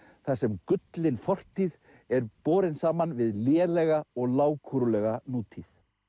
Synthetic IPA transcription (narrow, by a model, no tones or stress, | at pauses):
θaðsɛmkʏt̪lɪnfɔr̥t̪ʰið | ɛɾpɔːɾɪnsaːmanvɪðljɛːlɛɣaɔɣlaːwkʰuɾʏlɛɣanuːt̪ʰiθ